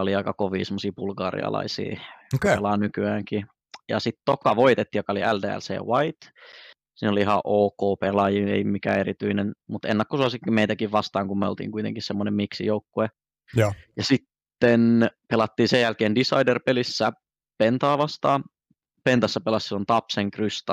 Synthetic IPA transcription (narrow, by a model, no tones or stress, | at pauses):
oliɑikɑkoʋiːsemːosiːbulɡɑ̰ːrḭɑ̰lɑ̰isḭːokelɑnykyæːŋki | jɑ̰sit̪t̪okɑʋoit̪et̪ːiːjokɑoliʔældḛːæ̰lsḛːwɑit̪ | siːnoliihɑʔoːkoːpelɑjiḛimikæ̰ːeɾit̪yinenmut̪ḛnːækːosuɑsikmeit̪ækiʋʋɑst̪ɑːŋkummeo̰lt̪ḭːŋkuit̪ḛŋkissemːonemmiksijoukːue | jɑsit̪ːenpelɑt̪ːiːsejælkeːndisɑ̰iderpelisːæ | pent̪ɑːʋɑst̪ɑː | pent̪ɑsːɑpelɑssilːont̪ɑpseŋkryst̪ɑ